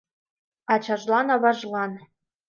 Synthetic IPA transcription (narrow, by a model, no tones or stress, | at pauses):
ɑt͡ɕɑʒlɑnɑβɑʒlɑn